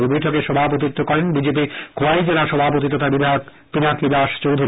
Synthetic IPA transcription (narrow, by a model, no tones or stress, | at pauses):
lbojʈʰokeʃɔbʱap̬ot̪̬it̪ːokɔɾenbid͡ʑep̬ikʰoajd͡ʑelaʃɔbʱap̬ot̪it̪ɔt̪abid̪ʱaok | pinakid̪aʃt͡ɕowd̪ʱuɾ